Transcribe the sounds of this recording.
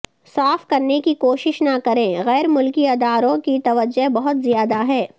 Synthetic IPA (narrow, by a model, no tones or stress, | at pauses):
saːfkɐɾnekikoːʃɪʃnakɐɾẽːɣɛːɾmʊlkiɐːd̪aːɾõkit̪ɐʋəd͡ʒəɦbɐɦʊt̪zijaːd̪aɦɛː